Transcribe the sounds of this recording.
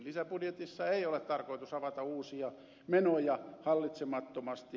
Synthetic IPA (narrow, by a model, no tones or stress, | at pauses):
lisæpudjet̪isːɑeiolet̪t̪ɑrkoit̪usɑʋɑt̪ɑuːsiɑ | menojɑhɑlːit̪semɑt̪ːomɑst̪i